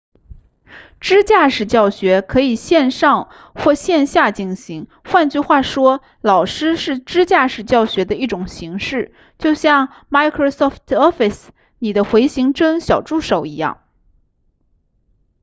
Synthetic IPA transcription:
ʈ͡ʂɻ̩˥t͡ɕja˥˩ʂɻ̩˨˩t͡ɕjɑ˥˩ʊɕɥɛ˧˥kʰɤ˧˥i˨˩ɕjɛ˥˧nʂɑ˥˧ŋ | xwɔ˥˧ɕjɛ˥˧nɕja˥˩t͡ɕi˥˩ŋɕi˧˥ŋ | xwa˥˧nt͡ɕy˥˧xwa˥˩ʂwɔ˥ | lɑ˨˩ʊʂɻ̩˥ʂɻ̩˥˩ʈ͡ʂɻ̩˥t͡ɕja˥˩ʂɻ̩˨˩t͡ɕjɑ˥˩ʊɕɥɛ˧˥d̪ə˧i˥˩ʈ͡ʂʊ˨˩ŋɕi˧˥ŋʂɻ̩˥˩ | t͡ɕjo˥˧ʊɕjɑ˥˧ŋ | ma˥ɪkʰɹo˥˧sɔ˥˩ft̪ʰɔ˥fi˨˩s | ni˨˩d̪ə˦xwe˧˥ɪɕi˧˥ŋʈ͡ʂɤ˥ŋɕjɑ˨˩ʊʈ͡ʂu˥˩ʂo˨˩ʊi˧˥jɑ̰˥˩ŋ

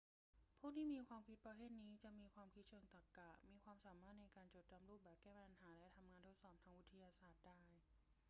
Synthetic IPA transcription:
pʰuː˥˩t̪ʰiː˥˩miː˧kʰwaː˧mkʰi˦˥t̪̚pɾa˧pʰeː˥˩t̪̚niː˦˥t͡ɕa˨˩ʔmiː˧kʰwaː˧mkʰi˦˥t̪̚t͡ɕʰɤː˧ŋt̪a˨˩kːa˨˩miː˧kʰwaː˧msaː˩˦maː˥˩t̪̚na˧jkaː˧nt͡ɕoː˨˩t̪̚t͡ɕa˧mɾuː˥˩p̚bɛː˨˩p̚kɛː˥˩a˧nɦaː˩˦lɛ˦˥t̪ʰa˧mŋaː˧nt̪ʰo˦˥t̪̚sɔː˨˩p̚t̪ʰaː˧ŋʔwi˦˥t̪ʰːa˧jaː˧saː˨˩t̪̚daː˥˩j

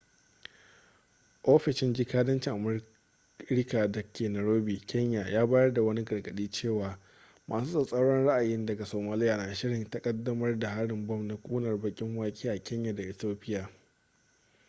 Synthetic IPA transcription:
ʔo˦ɸɪ˨ʃɪ˦nd͡ʒɪ˦kaː˦dɐ˦nt͡ʃɪ˨ŋʔa˨m˦ | ɪ˦ɾka˨dɐ˨kʲʰeː˨nɐ˨ɾoː˦biː˨kʰʲɛ˦ɲja˨jaː˦baː˦jɐ˦rda˨wɐ˦ni˦ɡɐ˨rɡɐ˨ɗiː˦t͡ʃeː˦˨waː˨ | mʔa̰ː˨suː˦sʼa˨sʼɐ˦wɽɔ˦nɽa˦ʔa˨jɪ˦ndɐ˨ɡa˨soː˨maː˦lɪ˦ja˨naː˨ʃɪ˦ɽɪ˨ntɐ˦kʼɐ˦dːɐ˦mɐ˦rda˨ɦa˦ɽɪ˨mbɔ˦mna˦kʷʼuː˦nɐ˨rbɐ˦kʲʼɪ˦ŋwaː˦kʲʼiː˦ʔa˨kʲɛ˦ɲja˨da˨ʔɪ˨toː˦ɸʼɪ˦jaː˨

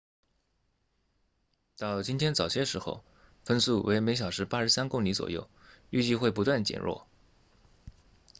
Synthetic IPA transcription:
t̪ɑ˥˩ʊt͡ɕi˥nt̪ʰjɛ˥nt͡sɑ˨˩ʊɕjɛ˥ʂɻ̩˧˥xo̰˥˧ʊ | fə˥nsu˥˩wʔe˧˥ɪme˧˥ɪɕ̬jɑ˨˩ʊʂɻ̩˧˥pa˥ʂɻ̩˧˥sa˥nkʊ˥˩ŋli˧˥t͡swɔ̰˨˩jo̰˥˩ʊy˥˧t͡ɕi˥˧xwe˥˩ɪp̬u˧˥t̪wa˥˩nt͡ɕjɛ̰˨˩nɻʔɔ̰˥˩

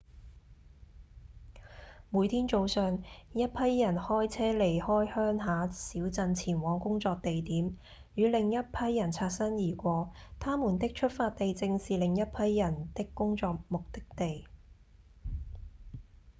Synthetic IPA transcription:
muː˨˧jt̪ʰiː˥nt͡so˨˧wsœː˨˩ŋjɐ˥t̚pʰɐ˥jːɐ˨˩nhɔː˥jt͡sʰɛː˥le˨˩jhɔː˥jhœː˥ŋɦaː˨˥siː˨˥wt͡sɐ˧nt͡sʰiː˨˩nwɔː˨˥ŋkʊ˥ŋt͡sɔː˧k̚t̪e˨jt̪iː˨˥m | jyː˨˧lɪ˨ŋjɐ˥t̚pʰɐ˥jːɐ˨˩nt͡sʰaː˧t̚sɐ˥njiː˨˩kʷɔː˨˥t̪ʰaː˥muː˨˩nt̪ɪ˥k̚t͡ʃʰɵ˥t̚faː˧t̚t̪e˨jt͡sɪ˧ŋsiː˨˩lɪ˨ŋjɐ˥t̚pʰɐ˥jːɐ˨˩nt̪ɪ˥kːʊ˥ŋt͡sɔː˧k̚mʊ˨k̚t̪ɪ˥k̚t̪e˨j

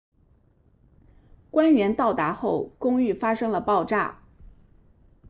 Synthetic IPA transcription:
kwa˥nɥɛ˧˥nt̪ɑ˥˩ʊt̪a˧˥xo˥˩ʊkʊ˥ŋy˥˩fa˥ʂɤ˥ŋlə˨pɑ˥˧ʊʈ͡ʂa̰˥˩

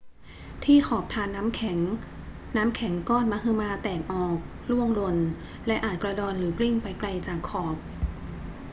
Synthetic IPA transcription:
t̪ʰiː˥˩xʰɔː˨˩p̚t̪ʰaː˧nːaː˦˥mʰ˩˦ŋ | naː˦˥mkʰɛ˩˦ŋkɔː˥˩nmaː˧˥ɦɯ˧maː˧t̪ɛː˨˩k̚ʔɔː˨˩k̚ | lu˥˩əŋlo˧n | lɛ˦˥ʔaː˨˩t̪̚kɾa˧dɔː˧nɾɯː˩˦kli˥˩ŋpa˧jkla˧jt͡ɕaː˨˩kʰːɔː˨˩p̚

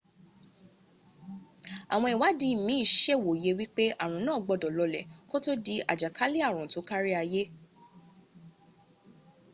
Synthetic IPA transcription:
a̰˨w̃ɔ̃˧i˨wa˨˦di˧˦˨mĩ˨˦i˦˨ʃɛ˦˨wo˨je˧wi˦k͡pe˦ʔa˦˨ɾ̃ũ˨˦nãː˦˨ɡ͡bɔ˧˨dɔ˨lɔ˧lɛ̰˨ko˦to˦di˧ʔa˨d͡ʒa˨kʰa˦li˦a˦˨ɾ̃ũ˨to˨˦ka˦ɾi˦a˧je˦

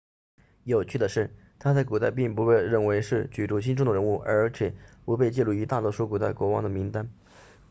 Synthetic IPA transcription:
jo˨˩ʊt͡ɕʰy˥˩d̪ə˩ʂɻ̩˥˩ | t̪ʰa˥t͡sa˥˩ɪku˨˩t̪a˥˧ɪpi˥˩ŋpu˧˥xe˥˧ɪɻə˥˩nwe˧˥ɪʂɻ̩˥˩t͡ɕy˨˩ʈ͡ʂu˧˥ɕ̬i˥nʈ͡ʂʊ˥ŋd̪ə˨˩ɻə˧˥nu˥˩ʔə˞˧˥t͡ɕʰjɛ˨˩pu˧˥pe˥˧ɪt͡ɕɛ˥˧lu˥˩y˧˥t̪a˥˩t̪wɔ˥ʂu˥ku˨˩t̪a˥˩ɪkwɔ˧˥wɑ̰˥ŋd̪ə˨˩mi˧˥ŋt̪a˥n

